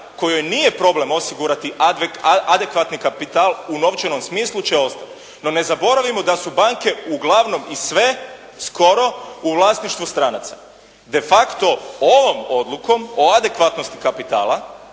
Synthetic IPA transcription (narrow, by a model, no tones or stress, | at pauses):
ko̞jojnije̞pɾo̞ble̞mo̞siɡuɾat̪iʔad̪e̞kʋat̪nikapit̪aːlˠuno̞ʋt͡ʃeno̞msmiːslˠut͡ʃeo̞st̪at̪ | no̞ne̞zabo̞ɾaʋimo̞d̪asubaŋke̞uɡlaʋno̞misʋe̞ | sko̞ɾo̞uʋlˠaːsniʃt̪ʋust̪ɾanat̪sa | d̪e̞fakt̪o̞oʋo̞mo̞d̪lˠuko̞mo̞ad̪e̞kʋat̪no̞st̪i̥kapit̪a̰ːlˠa